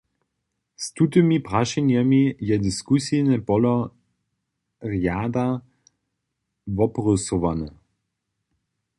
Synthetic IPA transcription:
st̪ut̪imipʁaʃɛnjamijɛd̪iskusinɛpɔlɔ | ʁjaːd̪a | vɔprɔsɔʋanɛ

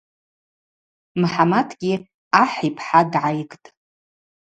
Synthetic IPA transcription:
mħamadʰɡʲi | aħipʰħadʕajkʼtʼ

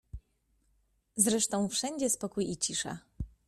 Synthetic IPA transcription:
zɾɛʂt̪ɔ̃w̃fʂɛɲd͡ʑɛspɔkujit͡ɕiʂa̰

